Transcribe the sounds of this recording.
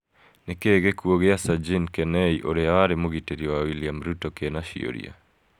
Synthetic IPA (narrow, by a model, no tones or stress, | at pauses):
nekeɡekwoɣeasad͡ʒinkɛnɛiʔoɾeawaɾemoɣiteɾiowawiliamɾutokenaʃḭo̰ɾḭa̰